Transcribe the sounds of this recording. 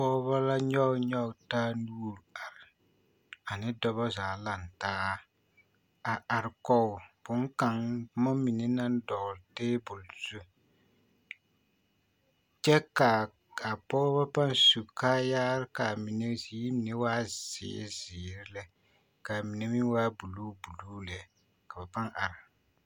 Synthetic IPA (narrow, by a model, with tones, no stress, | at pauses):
pɔː˦βa˦la˦ɲɔ˦ɲɔ˦taː˦nuː˦ɾa˨ɾɪ˨ | a˨nɪ˦dɔ˦βɔ˦zaː˨la˨ntaː˦ | a˨a˨ɾkɔ˦˨b̥ʊ˨˦ŋka˨ŋmɔ˦mi˨ne˦na˦n˦dɔ˨ɣlteː˦bʊ˨lz̥u˦ | t͡ʃɛ˦ka˨ | a˨pɔː˦ba˦pa˦nsu˨kaː˦jaː˦ɾɪ˦ka˨mi˨ne˦zi˦mi˨ne˦waː˦zɪ̰˨˦zɪː˨ɾɪ˦lɛ˦ | ka˨mi˨ne˦mi˦waː˦bu˨luː˦bu˨luː˦lɛ˨ | ka˨ba˨pa˦ŋa˨ɾɪ˨